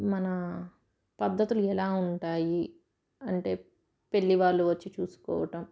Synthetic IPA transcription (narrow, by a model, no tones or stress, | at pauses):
mɐnɐ | pɐd̪ʱːɐt̪uluɛlaːuɳʈaːji | ɐɳʈe̞ː | pe̞ɭːiʋaːɾluʋɐt͡ʃːit͡ʃuːsu̥kɔ̰ːʋɐʈɐm